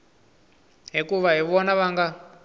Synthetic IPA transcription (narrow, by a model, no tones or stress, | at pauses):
ɦikuʋaɦiʋɔnaʋaŋɡa